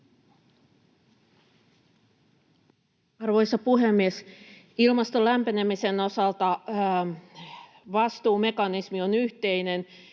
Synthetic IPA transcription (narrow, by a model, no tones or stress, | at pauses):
ɑrʋo̞jsɑpuɦemːies | ilmɑst̪olæmpenemise̞no̞sɑlt̪ɑ | ʋɑst̪uːme̞kɑnismio̞nyht̪e̞jne̞n